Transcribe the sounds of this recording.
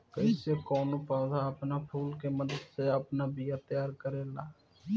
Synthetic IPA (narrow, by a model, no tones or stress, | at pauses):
kəsekɔːnopɔːd̪aəpnapʰuːlkeməd̪əd̪seəpnabʱijat̪əjaːɾkəɾeːlaː